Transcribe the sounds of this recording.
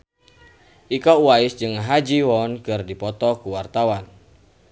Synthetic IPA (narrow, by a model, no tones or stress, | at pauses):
ʔikɔuwaɪsd͡ʒɨŋɦad͡ʒiwɔnkɨrdipɔt̪ɔkuwart̪awan